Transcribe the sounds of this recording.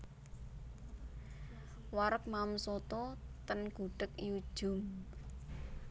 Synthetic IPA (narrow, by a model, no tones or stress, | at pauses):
waɾək̚mamsot̪ɔt̪ənɡ̥uɖ̥əkjud̥ʒ̥ʊ̤m